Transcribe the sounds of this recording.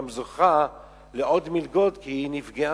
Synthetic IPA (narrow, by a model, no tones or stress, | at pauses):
mzoχa | leʔod̪milɡo̞d̪kiinifɡea